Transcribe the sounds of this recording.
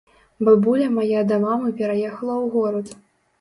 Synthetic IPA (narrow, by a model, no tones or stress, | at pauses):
bɨbulʲɐmajad̪ɐmamɨpʲɛɾajɛxɐlˠɐwɣɔɾɐt̪